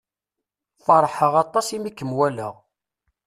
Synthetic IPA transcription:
fɑɾˤħəʁɑt̪ˤːɑsimikːəmwælə̰ʁ

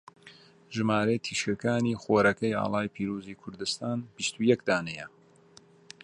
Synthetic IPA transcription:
ʒɨmaːɾɐjt̪ʰiːʃɐkaːniːxoːɾɐkɐja̰ːlˠɑːjpʰiːɾuːziːkʰʊɾd̪ɨst̪aːnb̥ist̪ujɛkd̪aːnɛjɛ

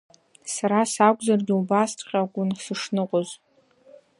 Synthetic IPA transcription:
saɾasakʷʼzarɡʲiubastʰqʲakʷʼʊnsɨʂnɨqʷʼoz

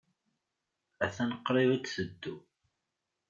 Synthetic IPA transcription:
æθænəqːɾˤɪvækθəd̪ːu

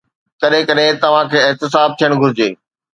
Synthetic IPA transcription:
kɐɗɦẽkɐɗɦẽt̪ɐʋ̤ãkʰeːɪɦt̪ɪs̬aːb̚t̪ʰijəɽ̃ɡʱʊɾɪd͡ʑeː

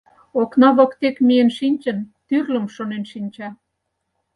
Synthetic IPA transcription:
oknɑβɤ̆kt̪ekmijənʃinʲt͡ɕə̆nt̪yrlə̆mʃonenʃinʲt͡ɕɑ

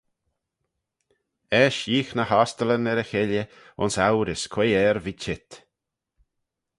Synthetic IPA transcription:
ɛʃjiːxnəhast̪ələnɛɾəxɪljə | ʊ̰nsawɾɪskʰweːɛɾvit͡ʃɪt̪

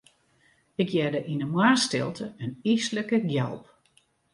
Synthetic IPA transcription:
ɪkjɛdəʔinəmwaːstɪ̰lˠtʰəənisləkəɡjɛ̰lˠp

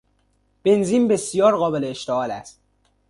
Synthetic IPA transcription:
b̥e̞nziːnbe̞sijɒːɾɣɒːbeleːʃt̪eɒːlæst̪̚

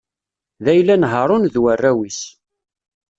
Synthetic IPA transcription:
ðæjlːænɦəɾˤʊnðwərːæwis

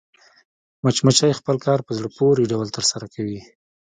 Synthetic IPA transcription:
mat͡ʃmat͡ʃajexpəlkɑɾpəzɽəpoɾiɖawəlt̪əɾsaɾakʰawi

